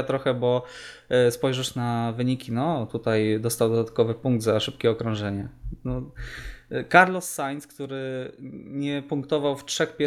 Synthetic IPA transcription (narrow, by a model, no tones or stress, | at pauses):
at̪ɾɔxɛbɔ | spɔjʐɛʂnavɘɲikʲinɔt̪ut̪ajd̪ɔst̪awd̪ɔd̪at̪kɔvɘpuŋɡ̚d̪zaʂɘp̚kʲɛɔkɾɔ̃ʐɛɲɛnɔ | kaɾlɔsːajnskt̪uɾɘ | ɲɛpuŋkt̪ɔvawftʂɛxpʲjɛ